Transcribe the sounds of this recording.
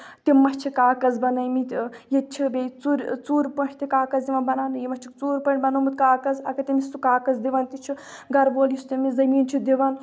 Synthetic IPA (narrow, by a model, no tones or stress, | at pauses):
t̪imɐst͡ʃʰikaːkɐzbɐnɐjmit̪jet͡ʃʰibʲet͡suɾʲt͡suːɾpɐt͡ʃʰʲt̪ikaːkɐzd̪iʋɐnbɐnaːnɨjimɐʃt͡ʃʰikt͡suːɾʲpɐɳʲbɐnɐːmit̪kaːkɐzɐkɐt̪imist̪ukaːkɐzd̪iʋɐnt̪it͡ʃʰi | ɡɐɾboːljist̪imizɐmiːnt͡ʃʰid̪iʋɐn